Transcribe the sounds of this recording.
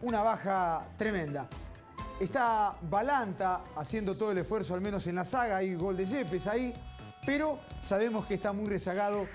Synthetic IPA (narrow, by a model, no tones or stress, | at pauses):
unaβaxat̪ɾemẽ̞nd̪a | est̪aβalant̪aːsjend̪ot̪ooelesfweɾsoalmeno̞se̞nlasaɣaajɣo̞ld̪eʒe̞pesai | peɾo̞saβ̞e̞moskest̪amujresaɣaðo̞